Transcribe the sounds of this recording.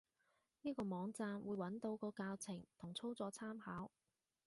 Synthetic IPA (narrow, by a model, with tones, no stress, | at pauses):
niː˥kɔː˧mɔː˨˧ŋt͡saː˧mwuː˨˧jwɐ˨˥nt̪o˨˧wkɔː˧kaː˧wt͡sʰɪ˨˩ŋt̪ʰʊ˨˩ŋt͡sʰo˥wt͡sɔː˨˧˥t͡sʰaː˥mhaː˨˥w